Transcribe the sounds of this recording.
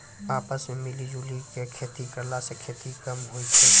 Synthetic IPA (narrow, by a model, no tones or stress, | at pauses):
aːpəsmẽmɪlid͡ʒuːlikekʰeːt̪ikɐɾlasekʰeːt̪ikɐmɦoit̪ʰɛː